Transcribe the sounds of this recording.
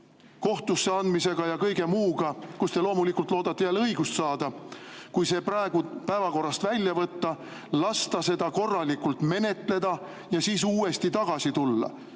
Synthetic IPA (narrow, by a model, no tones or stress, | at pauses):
ko̞ht̪usːeɑnd̪mise̞ɡ̥ɑjɑkɤjɡe̞muːɡ̥ɑkust̪e̞lo̞ːmulikːˑult̪loːd̪̥ɑt̪ːejæːlɤjɡust̪sɑːd̪̥ɑkujse̞ːpɾɑeɡ̥upæevɑko̞rːɑst̪vælʲjɑvɤt̪ːɑ | lɑst̪ɑse̞d̪̥ɑko̞rːɑlikult̪me̞ne̞t̪le̞d̪ɑ | jɑsiːsuːe̞st̪it̪ɑɡ̥ɑsit̪ulːɑ̰